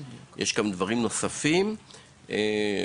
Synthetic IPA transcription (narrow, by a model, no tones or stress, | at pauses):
jʔeʃɡamd̪vaʁimno̞safim | e